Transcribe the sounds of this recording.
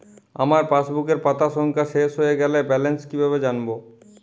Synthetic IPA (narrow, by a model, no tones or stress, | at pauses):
a̰maɾpaʃbukeɾpat̪aʃɔŋkʰaʃeʃɦojeɡɛlebɛlenskibʱaβed͡ʑanbo